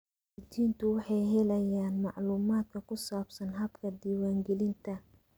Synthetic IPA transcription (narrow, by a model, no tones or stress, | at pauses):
d̪iːnt̪ʰʊwɑħɑjɦɛlɐjaːnmɑʕluːmaːd̪̚kʰɐkʰʊsaːbsɐnɦɐbkʰɐd̪iːwaːŋɡɛlɪnt̪ʰɐ